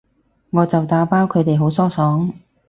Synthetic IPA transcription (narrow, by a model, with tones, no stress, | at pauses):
ŋɔː˨˧t͡sɐ˨wt̪aː˨˥paː˥wkʰɵ˨˧jt̪e˨jɦo˨˥wsɔː˥sɔː˨˥ŋ